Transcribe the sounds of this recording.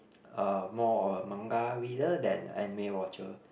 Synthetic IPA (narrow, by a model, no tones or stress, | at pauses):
əmɔmãŋɡawidədɛ̰̃nɛ̰nimewɔt͡ʃə